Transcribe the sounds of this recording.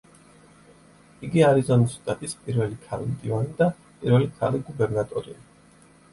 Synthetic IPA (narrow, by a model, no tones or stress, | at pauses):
iɡiaɾizɔnist̪ʼat̪ʼispʼiɾvɛlikʰalimd̪ivanid̪a | pʼiɾvɛlikʰa̰liɡubɛɾnat̪ʼɔɾḭa